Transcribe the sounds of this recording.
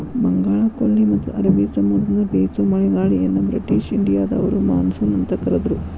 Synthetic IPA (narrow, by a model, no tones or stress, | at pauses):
bɐŋɡaːɭɐkolːimɐt̪ːuɐɾɐʋiːsɐmud̪ɐnɐbeːsumɐɭɛɡaːɭijɐnːɐbɾḭʈiːʃiɳɖijaːd̪ɐɐ̰ʋɐɾuma̰ːnsunɐnt̪ɐkɐɾɐd̪ɐɾu